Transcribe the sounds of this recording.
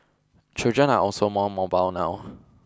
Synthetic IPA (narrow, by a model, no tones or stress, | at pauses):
t͡ʃʰod͡ʒɛ̃naʔɔlsomɔmɔbaʊwnaʊ